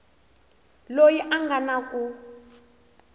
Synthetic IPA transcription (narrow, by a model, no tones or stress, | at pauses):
lojiʔaŋɡanakʼu